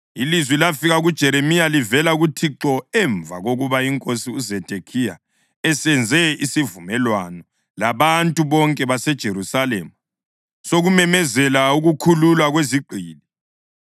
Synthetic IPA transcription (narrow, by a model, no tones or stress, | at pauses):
ilizwilafiɣaɣud̥ʒ̥ʱɛɾemijalivɛlaɣutʰiǁɔɛɱvʱaɣoɣuβaiŋkʼosiuzɛd̥ʱekʰija̰ | ɛsɛnd͡zʱɛisivumɛlwanɔ | laβantʼuβɔŋkʼɛβasɛd̥ʒ̥ʱeɾusalɛma | soɣumɛmɛzɛlauɣukʰululwaɣweziǃʱiːli